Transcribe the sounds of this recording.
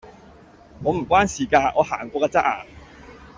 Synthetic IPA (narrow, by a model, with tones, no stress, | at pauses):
ŋɔː˨˧m̩˨˩kwaː˥nsiː˨˩kaː˧ŋɔː˨˧haː˨˩ŋkʷwɔː˧kaː˧t͡sa˥ʔa̰ː˧